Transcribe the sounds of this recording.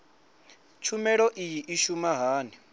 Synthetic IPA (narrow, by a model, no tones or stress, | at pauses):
t͡ʃʰumɛɺɔʔijiʔiʃumaɦaːni